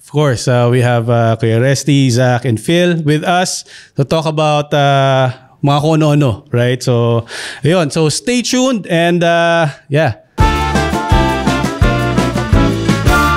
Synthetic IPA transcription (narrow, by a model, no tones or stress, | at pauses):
ɔv̥kɔɹsawiɦævɐkiɛɹɛst̪izakɛ̃nfɪlwɪðɐst̪ut̪okɐbawt̪a | mɐŋakoʔɐnoʔɐnoɹajt̪̚sowʔɐjonsowst̪eɪt͡ʃund̪ɛ̃nd̪aja